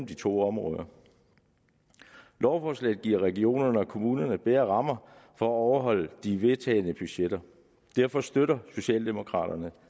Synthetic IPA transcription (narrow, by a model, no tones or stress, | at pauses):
m̩d̥it͡sʰo̝̰ːɒ̽mʁɔ̽ːðˠɐ | lɒʊfɒslɛ̰ɪð̩ˠɡiɐ̰ʁɛɡ̥io̝̰ːnɐnəɒ̽kʰo̝muːnɐnəb̥eːɐʁɑ̈mɐfɒ̽æɒʊɐɦɒ̽l̰d̥iʋe̝t͡sʰɛ̰ːɪnəb̥yɕed̥ɐ | d̥æɐfɒ̽sd̥øɾɐso̝ɕɛ̰ːld̥e̝mo̝kʰʁɑ̰̈ːɾ̥ɐnə